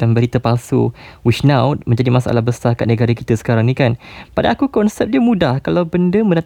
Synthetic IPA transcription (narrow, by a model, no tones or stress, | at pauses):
anbəɾit̪əpalsṵwit͡ʃnawt̪̚mə̃ɲd͡ʒadimasaʔa̰lahbəsaka̰ʔnəɡaɾəkit̪əsə̥kaɾaŋnĩkanpadaːkukɔnsɛp̚diəmudahkalawbəndəmə̃nat̪